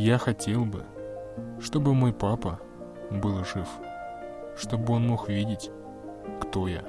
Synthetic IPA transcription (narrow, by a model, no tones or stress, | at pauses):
jaxɐtʲe̞lˠbɨ̰ | ʂt̪o̞bɨmo̞jpapə | bɨlˠʐɨf | ʂt̪o̞bɨo̞nmo̞xvʲidʲɪtʲ | kt̪o̞ja̰